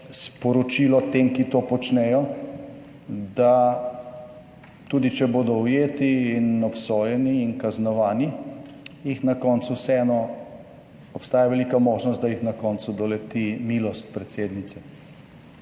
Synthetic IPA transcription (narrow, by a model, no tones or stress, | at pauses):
spɔɾɔt͡ʃilɔt̪emkit̪opɔt͡ʃnɛːjɔ | d̪a | t̪ud̪it͡ʃɛboːd̪ɔujeːt̪iːnɔpsoːjɛniːnkaznɔʋaːni | jixnakɔːnt̪susɛɛnɔ | ɔpst̪aːjaʋɛlikamoːʒnɔst̪d̪ajixnakɔnsud̪ɔlɛt̪imilɔst̪̚pɾɛt̪seːd̪nit̪sɛ